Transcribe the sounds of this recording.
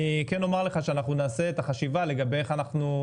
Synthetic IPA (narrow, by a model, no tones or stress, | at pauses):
keno̞maʁle̞χaʃeanaχnunaːse̞et̪aχaʃivale̞ɡabejeχanaχnu